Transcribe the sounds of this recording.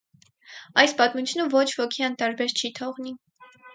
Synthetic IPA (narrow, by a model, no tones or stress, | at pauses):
ɑjspɑt̪mut͡sʰunəvɔt͡ʃʰvɔkʰiɑnt̪ɑɾbɛɾt͡ʃʰit̪ʰɔʁni